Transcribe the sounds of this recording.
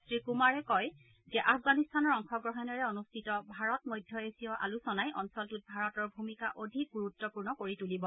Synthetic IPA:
sɹikumaɹɛkɔj | zɛʔafʰɡanistʰanɔɹɔŋxʰɔɡɹɔɦɛnɔɹɛonustʰitɔbʱaɹɔtmɔjdʱjɔesijɔʔa̰lusɔnajʔɔnsɔltut̚bʱaɹɔtɔɹbʱumikaʔodʱik̚ɡuɹutːɔpuɹnɔkoɹitulibɔ

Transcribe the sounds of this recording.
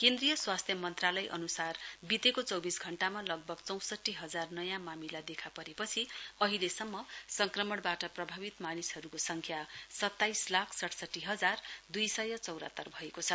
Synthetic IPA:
kend̪rijʌswast̪ʰjʌmʌnt̪ralʌjʔʌ̰nusarbit̪ekot͡sʌwbisɡʱʌɳʈamalʌɡ̚bʱʌɡt͡sʌw̃sʌʈːiɦʌd͡zarnʌjãmamilad̪ekʰapʌɾepʌt͡sʰiʌɦilesʌmːʌsʌŋkrʌmʌɽbaʈʌprʌbʱabit̪manisɦʌɾukosʌŋkʰjasʌt̪ːajslakʰsʌʈʰsʌʈːiɦʌd͡zard̪ujsʌjʌt͡sʌwɾʌ̰t̪ːʌrbʱʌekot͡sʰʌ

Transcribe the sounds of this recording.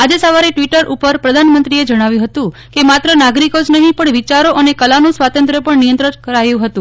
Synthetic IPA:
ad͡ʒesəʋaɾeʈʋiʈəɾʔupəɾpɾəd̪ʱanmənt̪ɾied͡ʒəɽ̃aʋjũɦət̪ũkemat̪ɾənaɡɾikod͡ʒnəɦĩpəɳʋit͡ʃaɾoʔənekəlanõsʋat̪ənt̪ɾəpəɳnijənt̪ɾəɾkəɾajũɦət̪ũ

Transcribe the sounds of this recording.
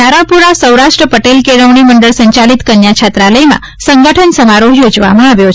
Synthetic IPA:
aɾãpuɾasəwɾaʃʈɾəpəʈelkeɽəʋɳiməɳɖəɭsəɲt͡ʃalit̪kənjat͡ʃʰat̪ɾaləjmã̰ | səŋɡəʈʰənsəmaɾoɦjod͡ʒʋa̰mãaʋjo

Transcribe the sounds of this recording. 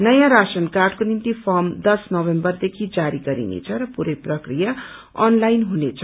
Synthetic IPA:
nʌjãɾasʌnkarɖkonimt̪ipʰʌmd̪ʌsnʌbembʌrd̪ekʰid͡zaɾiɡʌɾḭnḛt͡sʰʌɾʌpuɾʌjprʌkrija | ʌ̰nlajnɦunet͡sʰʌ

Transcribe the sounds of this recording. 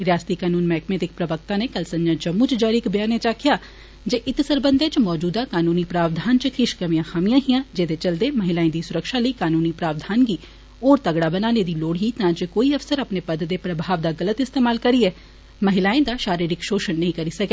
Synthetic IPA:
ɾɪjaːst̪iːkaːnuːnmɛːkmɛːt̪ɪk̚pɾəʋək̚t̪ãːneːkəlsəɲd͡ʒãːd͡ʒəmːũːt͡ʃd͡ʒaːɾikbɪjaːneːt͡ʃaːkʰɪjaː | d͡ʒeːʔɪt̪səɾbənd̪eːt͡ʃmɔːd͡ʒuːd̪aːkaːnuːniːpɾaːʋd̪ʱaːnt͡ʃəkɪʃkəmijãːxʰaːmijãːɦijãːd͡ʒeːd̪eːt͡ʃəld̪eːməɦɪlaːẽːd̪iːsʊɾəkʃaːləiːkaːnuːniːpɾaːʋd̪ʱaːnɡiː | oːɾt̪əɡɽaːbənaːneːd̪iːloːɽɦiːt̪ãːd͡ʒekoːiːəfsəɾapneːpəd̪d̪eːpɾəbʱaːʋd̪aːɡələt̪ɪst̪eːmaːlkəɾiːɛː | məɦɪlaːẽːd̪aːʃaːɾiɾɪkʃoːʃənːəɦĩːkəɾiːsəkeː

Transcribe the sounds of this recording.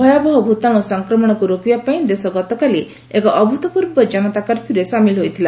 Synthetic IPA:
ɔjabɔɦɔbʱut̪anɔsɔŋkɾɔmɔɽ̃ɔkuɾopibapaĩd̪esɔɡɔt̪ɔkali | ekɔʔɔbʱut̪ɔpuɾbɔd͡ʒanɔt̪akaɾpʰuɾesamilɦojt̪ʰila

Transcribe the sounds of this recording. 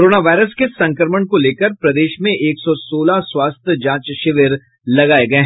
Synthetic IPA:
ɾoːnaʋaːɪɾəskesɐ̃ŋkɾəməɳkoleːkəɾpɾɐd̪eːʃmẽʔeːksɔsoːlaswaːst̪ʰjəd͡ʒãːt͡ʃʃɪʋəɾ | lɐɡaːeɡɐeɦ

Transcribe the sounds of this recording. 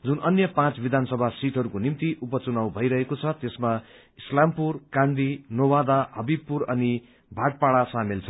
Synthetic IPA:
d͡zunʔʌnjʌpãt͡sbid̪ʱansʌbʱasiʈɦʌɾukonimt̪iʔupʌt͡sunawbʱʌjɾʌɦekot͡sʰʌt̪esma | islampurkãnd̪inowad̪aɦʌbibpuɾʌni | bʱaʈ̚paɽasamelt͡sʰʌ

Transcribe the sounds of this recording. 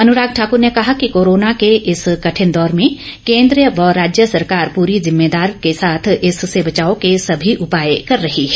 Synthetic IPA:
ɐnʊɾaːɡ̚ʈʰaːkʊɾnekɐɦakikoːɾoːnakeʔɪskɐʈʰɪnd̪ɔːɾmẽ | kẽːnd̪ɾijəʋɐɾaːd͡ʒjəsɐɾkaːɾpuːɾizɪmːeːd̪aːɾkesaːt̪ʰɪsːebɐt͡ʃaːokesɐbʱiʔʊpaːjekɐɾːɐɦiɦɛ

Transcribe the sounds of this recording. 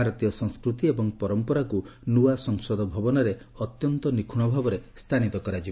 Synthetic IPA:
aɾɔt̪ijɔsɔŋskɾut̪iebɔŋpɔɾɔmpɔɾakunuwasɔŋsɔd̪ɔbʱɔbɔnaɾe | ɔt̪jɔnt̪ɔnikʰuɽ̃ɔbʱabɔɾest̪ʰanit̪ɔkɔɾad͡ʒib

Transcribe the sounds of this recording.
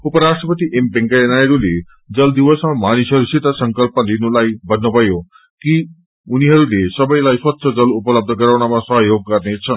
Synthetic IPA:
upəɾasʈɾəpət̪iʔempeŋkaenajɾule | d͡ʒʌld̪iʋəsmamanisɦʌɾusit̪asəŋkəlpəlinulajbənːobʱʌjo | ki | uniɦʌɾulesʌbəjlajswat̪ːʃʰʌd͡ʒʌlupələb̚d̪ʱəkəɾawɳamãsʌɦjoɡ̚kʌɾnet͡ʃʰʌn

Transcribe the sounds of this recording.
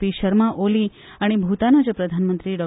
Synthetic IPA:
iʃəɾmãʔoli | aɽ̃ebʱut̪anad͡ʒpɾəd̪ʱanmənt̪ɾiɖɔ

